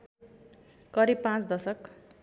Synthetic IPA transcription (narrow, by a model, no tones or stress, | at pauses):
kʌɾib̚pãt͡sd̪ʌsʌk